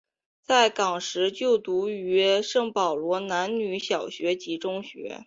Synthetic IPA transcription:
t͡sa˥˩ɪkɑ˨˩ŋʂɻ̩˧˥t͡ɕjo˥˩ʊt̪u˧˥y˧˥ʂɤ˥˩ŋpɑ˨˩ʊlwɔ˧˥na˧˥nny˧˥ɕjɑ˨˩ʊɕɥɛ˧˥t͡ɕi˧˥ʈ͡ʂʊ˥ŋɕɥɛ̰˧˥

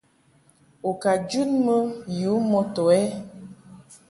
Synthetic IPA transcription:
o˨ka˨d͡ʒu˦nmə˦ju˨˦mo˦tɔ˨ɛ˦

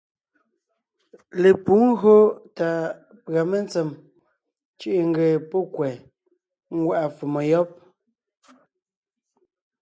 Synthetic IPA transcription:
le˨pu˨˦ŋ˦ɣɰo˦ta˨ | pɰa˨me˦˨nt͡sɛ˨m | t͡ʃi˦ʔe˨ŋ˦ɡe˨pɔ˦kwɛ˨ | ŋ˦ɡwa˦˨ʔa˨fu˨mɔ˨jɔ˦p̚

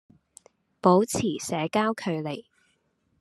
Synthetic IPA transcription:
po˨˥wt͡sʰiː˨˩sɛː˨˥kaː˥wkʰɵ˨˧ɥle˨˩j

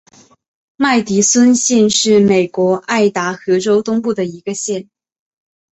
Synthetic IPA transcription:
ma˥˩ɪt̪i˧˥swə˥nɕɛ˥˧nʂɻ̩˥˩me˨˩ɪkwɔ˧˥ʔa˥˩ɪt̪a˧˥xɤ˧˥ʈ͡ʂo˥ʊt̪ʊ˥ŋpu˥˩d̪ə˩i˧˥ɡə˧ɕjɛ˥˩n

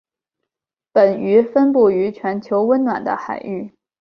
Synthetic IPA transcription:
pə˨˩ny˧˥fə˥npu˥˩y˧˥t͡ɕʰɥɛ˧˥nt͡ɕʰjo˧˥ʊwə˥nnwa̰˨˩nd̪ə̰˦xa̰˨˩ɪy˥˩

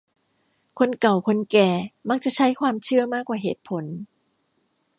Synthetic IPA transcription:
kʰo˧nka˨˩wkʰo˧nkɛː˨˩ma˧˥k̚t͡ɕa˨˩t͡ɕʰa˦˥jkʰwaː˧mt͡ɕʰɯ˥˩ɐmaː˥˩kːwaː˨˩ɦeː˨˩t̪̚pʰo˨˩˦n

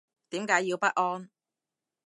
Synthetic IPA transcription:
t̪iː˨˥mkaː˨˥jːiː˧wpɐ˥t̚ʔɔː˧n

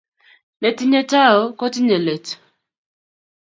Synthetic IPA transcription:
lɛ˨ti˦ɲɛ˨ta˦˨ɔ˦kɔ˦ti˦ɲɛ˨lɛ˨t

